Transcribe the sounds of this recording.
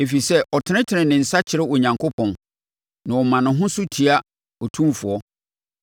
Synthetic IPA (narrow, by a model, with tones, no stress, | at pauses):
e˨fi˨sɛ˦ʔɔ˨tʰɪ̃˨˦ñɪ̃˦tʰɪ˨nɪ̃˨nɪ̃˨n̩˨sa˦t͡ɕʰɪ˨ɾɪ˦wɔ˨ɲã˨ŋkʰo˦pʰɔ̃˨n | nã˨ɔ˨mã˨nʊ̃˨ɦʊ̃˦sʊ˦tʰi˨a˦ | ɔ˨tʰũ˦mfʊ˨ɔ˦